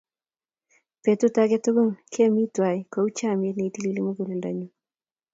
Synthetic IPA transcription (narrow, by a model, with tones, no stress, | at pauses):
pe˨tu˦ta˦kɛ˦tʊ˦ɡu˦ŋkʰe˦mi˦twa˨i˨ko˨˦u˦t͡ʃa˦˨me˦tne˨i˨ti˦li˦li˦mu˦ɡu˨le˨nda̰˨ɲu˨